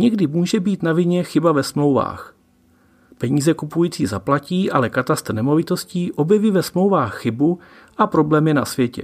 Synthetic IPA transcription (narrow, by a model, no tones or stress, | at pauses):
ɲɛɡdɪmuːʒɛbiːt̪navɪɲɛxɪbavɛsmlo̞wva̰ːx | pɛɲiːzɛkupujiːt͡siːzaplaciːʔalɛkat̪ast̪nɛmo̞vɪt̪o̞sciːʔo̞bjɛviːvɛsmlowvaːxːɪbu | ʔapɾo̞blɛːmjɛna̰svjɛcɛ̰